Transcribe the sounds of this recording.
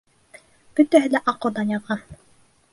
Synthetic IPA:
b̥ɵt̪æɦɘlæʔɑqŏd̪ɑnjɑʁɑ

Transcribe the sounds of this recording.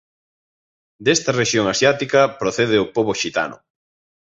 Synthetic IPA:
d̪est̪ɐreʃjoŋasjat̪ikɐpɾoθeðeopoβoʃit̪a̰nʊ̰

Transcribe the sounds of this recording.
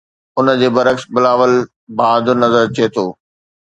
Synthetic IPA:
ʊnə̆d͡ʑeːbɐɾəksbɪlaːʋəl | baːd̪ʊnɐzəɾt͡ɕiet̪ʰoː

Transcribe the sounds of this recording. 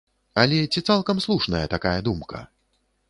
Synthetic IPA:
ɐlʲɛt͡sʲit̪salˠkɐmslˠuʂnɐjɐt̪akajɐd̪umkɐ̰

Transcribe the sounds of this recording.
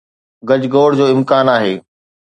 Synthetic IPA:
ɡɐd͡ʑɡoːɽd͡ʑoːɪ̃mkaːnaːɦeː

